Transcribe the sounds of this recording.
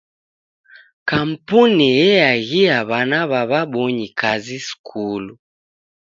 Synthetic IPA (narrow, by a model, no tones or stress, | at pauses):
kam̩punijɛjaɣiaβanaβaβaɓɔɲikʰaziskʰulu